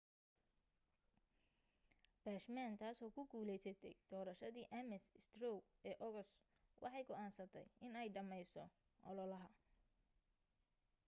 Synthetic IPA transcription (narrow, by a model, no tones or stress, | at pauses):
b̥aːʃmaːnt̪ʰaːsɔːkʰʊɡuːlɛjsɐt̪ʰɛjd̪̥ɔːɾɐʃɐðiːʔɛmɛsst̪rɔwɛːʔɔɣɔs | wʔɑ̰ħɑjɡɔʔaːnsɐt̪ʰɛ̰jɪnɛjɖɐmɛjsɔ | ʔɔ̰lɔlɐɦɐ